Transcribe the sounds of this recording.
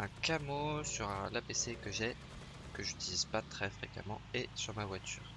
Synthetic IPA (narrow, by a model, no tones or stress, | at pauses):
ɛ̃kamosyʁlapesekəʒɛ | kəʒyt̪ilizpat̪χɛfχeka̰mɑ̃esyʁmavwat̪yːʁ